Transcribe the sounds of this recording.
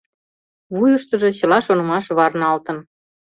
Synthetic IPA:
βujəʃt̪ə̆ʒe̽t͡ɕɤ̆lɑʃonɤ̆mɑʃβɑrnɑlt̪ə̆n

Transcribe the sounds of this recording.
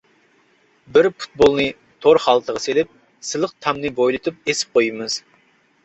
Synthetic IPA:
bɪɾpu̥t̪̚bolˠnɨ | t̪ʰoɾχɑlˠt̪ʰəʁɑselɪp̚ | sɨlˠəq̚t̪ʰɑmnɨbojlˠɨt̪ʰɨp̚esɪ̥p̚qʰojɨmɨz̥

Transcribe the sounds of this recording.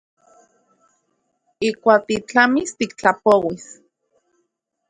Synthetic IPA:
ikʷaːk̚t̪it͡ɬamist̪ikt͡ɬapowis

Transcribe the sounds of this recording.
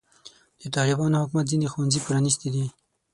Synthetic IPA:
d̪̥ət̪ɑlɪbɑnohʊkmat̪̚zinexuwanzipɾɑnist̪id̪i

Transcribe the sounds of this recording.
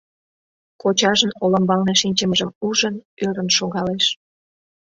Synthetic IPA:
kot͡ɕɑʒənoləmbɑlneʃinʲt͡ɕəməʒəmuʒənøɾənʃoɣɑleʃ

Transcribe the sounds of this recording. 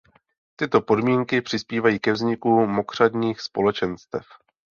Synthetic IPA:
t̪ɪt̪o̞po̞dmiːŋkɪpr̝̥ɪspiːvajiːkɛvzɲɪkumo̞kr̝̥adɲiːxspo̞lɛt͡ʃɛnst̪ɛ̰f

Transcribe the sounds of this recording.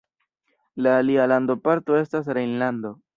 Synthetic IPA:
laːlialando̞paɾto̞e̞stas̬ɾejnlando̞

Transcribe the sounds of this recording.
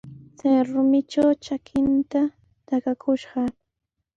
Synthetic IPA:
t͡sajɾʊmɪt͡ʃawt͡ʃakʰɪnt̪a | t̪akakʰʊʃɢɑ

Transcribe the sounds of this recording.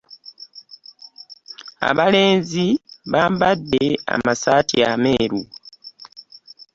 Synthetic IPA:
a̰βale̞ːnziβaːmbadːea̰masaːtʰiame̞ːɾu

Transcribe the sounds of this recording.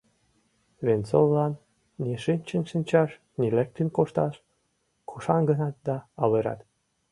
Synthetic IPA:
βent͡sollɑnː | iʃinʲt͡ɕənʃinʲt͡ɕɑʃ | nilæk̚t̪ənʲkoʃt̪ɑʃ | kʰuʃɑnɡənɑt̪̚d̪ɑɑleɾɑ̰t̪

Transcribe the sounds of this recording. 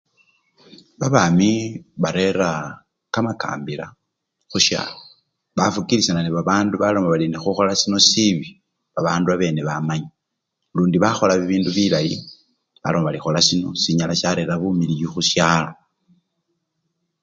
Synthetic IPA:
βaβamiβaɾe̞ɾa | kamaka̰ːmbila | xuʃja̰ːlo | βafukilisananiβaβaːnduβalo̞maβalinexuxo̞lasino̞siβi | βaβaːnduaβe̞ːne̞βamaɲa | luːndiβaxo̞laβiβiːnduβilajḭ | βa̰lo̞maβalixo̞lasino̞̰siɲalaʃaɾe̞ɾaβumilijuxuʃjaːlo̞

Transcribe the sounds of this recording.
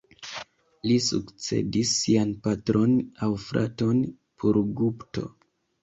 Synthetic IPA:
lisukt͡se̞̰disːianpatɾo̞nawfɾa̰to̞n | pʰoɾɡupto̞̰

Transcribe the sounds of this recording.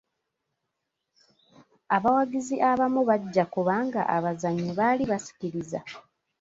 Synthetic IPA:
aβawaɡiziʔaβamuβaɟːakuβaŋɡa̰ʔaβazaɲːiβaliβasi̥ciɾiza

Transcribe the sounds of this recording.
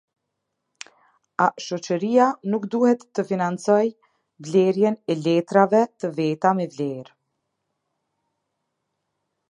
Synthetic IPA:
aʃɔt͡ʃəɾijanukd̪uhɛt̪ːəfinant͡sɔj | vlɛɾjɛnɛlɛt̪ɾavɛt̪əvɛt̪amɛvlɛɾ

